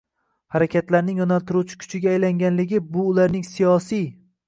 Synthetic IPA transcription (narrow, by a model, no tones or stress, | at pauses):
haɾakʲʰat̪laɾnɪŋɒnalt̪ʰʊɾut͡ʃʰɪ̥kʲʰʊ̥t͡ʃʰɪɡʲaːjlaŋɡʲanlɪɡʲɪbʊːlaɾnɪŋsijɒsij